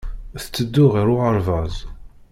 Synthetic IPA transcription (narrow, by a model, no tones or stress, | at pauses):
θt͡sːəd̪ːʊʁiɾʊəɾˤvæzˤ